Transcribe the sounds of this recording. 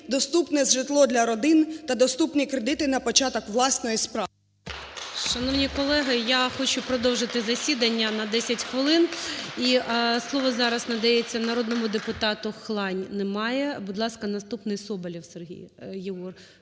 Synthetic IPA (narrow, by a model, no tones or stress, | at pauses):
d̪ɔst̪upnɛzʒɪt̪lˠɔd̪lʲɐɾɔd̪ɪnt̪ɐd̪ɔst̪upnʲikɾed̪ɪt̪ɪnɐpɔt͡ʃɑt̪ɔkʋlˠɑsnɔjispɾɑ | ʃɐnɔʋnʲikɔlˠɛɦɪjaxɔt͡ʃʊpɾɔd̪ɔwʒɪt̪ɪzɐsʲid̪ɐnʲːɐnɐd̪ɛsʲɐtʲxʋɪlˠɪniʔslˠɔʋɔzɑɾɐsnɐd̪ɐjet͡sʲːɐnɐɾɔd̪nɔmʊd̪epʊt̪ɑt̪ʊxlˠɑnʲnɛmɑjɛbʊd̪lˠɑskɐnɐst̪upnɪjsɔbɐlʲiwserɦʲḭjjɪɔr